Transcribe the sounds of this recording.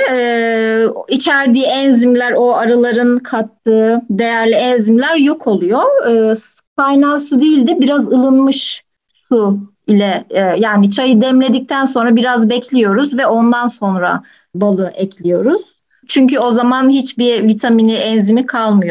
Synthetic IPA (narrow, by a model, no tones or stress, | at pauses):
ɛː | it͡ʃʰæɾd̪iːɛnzimlʲæɾo̞aɾalˠaɾɯnkʰat̪ːɯːd̪e̞jæɾlʲiɛnzimlʲæɾjo̞kʰo̞lˠujoɯːs | kʰajnaɾsud̪iːlʲd̪ɛbiɾazɯlˠɯnmɯʃ | su | ilʲɛjaːnit͡ʃʰajɯd̪ɛmlʲe̞d̪ic̚t̪ʰænso̞nɾabiɾazbɛclʲijo̞ɾuzvɛo̞nd̪anso̞nɾa̰ | balˠɯʔɛclʲijo̞ɾuz̥ | t͡ʃʰyɲcyo̞zamanɦit͡ʃbiɾvit̪ʰaminiɛnzimikʰalˠmɯjo